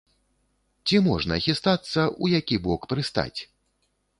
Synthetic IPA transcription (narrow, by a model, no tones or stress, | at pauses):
t͡sʲimɔʐnɐɐxʲist̪at̪sːɐʔujakʲibɔkpɾɨst̪a̰t͡sʲ